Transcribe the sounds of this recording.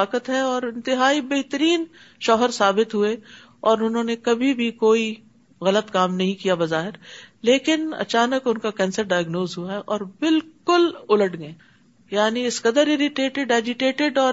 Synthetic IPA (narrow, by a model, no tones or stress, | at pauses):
aːkət̪ɦɛɔːɾɪ̃nt̪ɪɦaːibeɦt̪əɾiːn | ʃɔːɦəɾsaːbɪt̪ɦue | ɔːɾʊnɦõːnekɐbʱibʱikoːi | ɣɐlət̪kaːmnɐɦĩkijabɐzaːɦɪɾleːkɪnɐ̰t͡ʃaːnəkʊnkakɛ̃ːnsəɾɖaːjəɡnoːzɦuaɦɛʔɔːɾbɪlkʊlʊləʈɡẽː | jaːniɪskɐd̪əɾɪɾɪʈeːʈeɖɛːd͡ʒɪʈeːʈɪɖɔː